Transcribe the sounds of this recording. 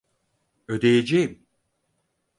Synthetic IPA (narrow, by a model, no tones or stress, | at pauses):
ø̞d̪ejed͡ʒejim